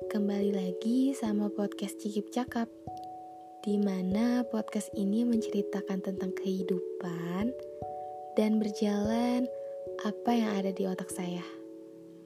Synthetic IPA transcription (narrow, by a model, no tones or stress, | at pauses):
kəmbalilaɡisamapɔt̪̚kɛst̪t͡ʃikɪp̚t͡ʃakap̚ | d̥imanapɔt̪̚kasiniməɲt͡ʃəɾit̪akant̪ənt̪aŋkəhidupan | danbərd͡ʒalanʔapajaŋadadiot̪ak̚sajah